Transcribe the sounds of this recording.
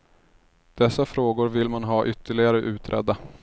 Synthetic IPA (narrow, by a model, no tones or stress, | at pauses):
d̪̥ɛsːafɾoːɡʊɾvɪlmanɦɑːʔʏt̪ʰːəɭɪɡaɾəʔʉ̟ːt̪ʰɾʔɛ̰d̪ːa